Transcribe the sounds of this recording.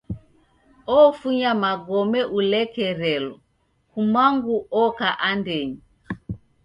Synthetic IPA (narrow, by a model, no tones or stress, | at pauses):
ɔfuɲamaɡɔmɛʔulɛkɛɾɛlɔ | kumaŋɡuɔkaʔandɛɲi